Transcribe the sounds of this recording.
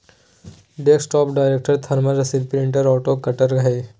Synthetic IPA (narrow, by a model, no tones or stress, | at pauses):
ɖeːksʈɔːpɖaːɪɾeːk̚ʈəɾt̪ʰɐɾməɾɐsilpɾɪ̃ɳʈəɾɔːʈoːkɐʈəɾɡʱɐe